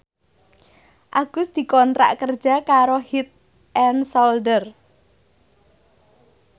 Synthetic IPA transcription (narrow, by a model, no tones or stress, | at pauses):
ʔaɡ̥ʊ̤sd̪̥i̤kɔnt̪ɾa̰ʔkər̥d͡ʒ̥a̤kaɾohit̪̚ | ʔɛnsɔldər